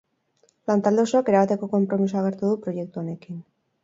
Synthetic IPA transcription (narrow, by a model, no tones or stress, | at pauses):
plant̪ald̪osoake̞ɾaβat̪e̞ko̞ko̞mpɾo̞mis̬oaɣ̞e̞ɾt̪uðupɾo̞je̞k̚t̪uo̞ne̞kin